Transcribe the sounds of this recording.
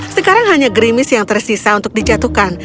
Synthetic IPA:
səkaɾaŋɦaɲaɡɾimɪsjaŋt̪ərsisaunt̪ʊk̚did͡ʒat̪uhkan

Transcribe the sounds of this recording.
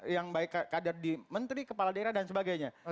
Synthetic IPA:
jaŋbaɪkkːadardimənt̪ɾikəpaladaeiɾahdansəbaɡajɲa

